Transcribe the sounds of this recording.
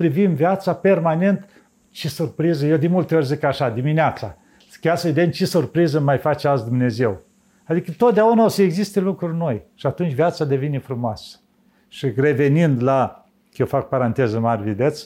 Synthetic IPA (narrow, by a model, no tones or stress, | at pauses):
pɾivimvjat̪sape̞rmane̞nt̪ | t͡ʃesurpɾizəjewd̪emult̪eorʲzikaʃad̪imineat̪sa | kʲarsəved̪emt͡ʃesurpɾizəmajfat͡ʃealzd̪umneze̞w | ad̪ikət̪o̞t̪̚d̪eaunaosəeɡzist̪elukɾurno̞jʃiat̪unt͡ʃʲvjat̪sad̪e̞vine̞fɾumoasə̥ | ʃire̞ve̞nind̪la | kjewfak̚paɾant̪e̞zəmaɾʲved̪e̞t̪s